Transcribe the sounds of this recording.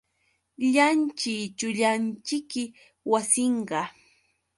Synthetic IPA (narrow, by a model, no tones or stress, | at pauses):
ʎant͡ʃɪt͡ʃʊʎant͡ʃɪkːɪ | wasɪɴɢɑ